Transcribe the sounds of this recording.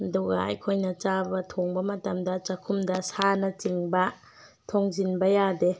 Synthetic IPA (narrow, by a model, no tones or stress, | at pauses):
dɔɡa̰jkʰojnɐt͡ʃabɐtʰɔŋbɐmatɐmdɐt͡ʃakʰumdɐsanɐt͡ʃiŋbɐ | tʰɔŋzinbɐjade